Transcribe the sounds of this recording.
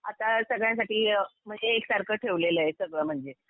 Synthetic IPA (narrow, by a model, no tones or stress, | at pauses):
at̪asəɡɭjãs̬aʈiːm̤əɳd͡zeːksaɾkəʈʰeʋleləjesəɡɭəm̤əɳd͡ze